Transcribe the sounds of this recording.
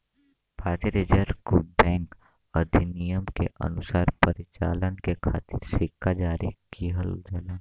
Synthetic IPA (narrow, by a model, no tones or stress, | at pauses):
bʰaːt̪iɾed͡ʒəɾkubɛ̃ːŋk | əd̪ʱinijəmkeʔə̰nʊsaːɾpəɾɪt͡ʃa̰ːlənkekʰaːt̪ɪɾsɪkːad͡ʒaːɾikiɦəld͡ʒalan